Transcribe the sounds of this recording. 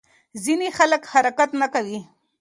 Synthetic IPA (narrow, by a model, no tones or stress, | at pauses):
zinexaləkhaɾakat̪nakawi